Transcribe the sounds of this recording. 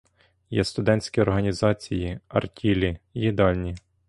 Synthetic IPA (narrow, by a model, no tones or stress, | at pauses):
jɛst̪ʊd̪ɛnʲt͡sʲkʲiɔrɦɐnʲizɑt͡sʲijiɐ̰rtʲʰilʲijid̪ɑlʲnʲi